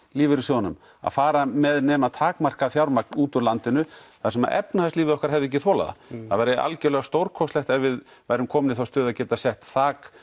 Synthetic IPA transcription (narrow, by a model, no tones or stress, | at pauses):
liːvɪɾisjɔːwanʏ̰m | a̰ðfaːɾamɛðnɛːmat̪ʰaːkmar̥kaθjawɾmarknuːt̪ʏɾlant̪ɪnʏθaɾsɛma̰ʔɛpnahast̪liːvɪðɔhkaɾ̥ɦɛvðɛc̬ːɪθɔːla̰ða̰θa̰ðvɛjɾɪɪʔa̰lcɛlɛɣast̪owɾkʰɔst̪lɛxt̪ɛvɪð | vaːjɾʏmkʰɔːmɪnɪθawst̪ʏːðacɛːt̪asɛht̪θaːk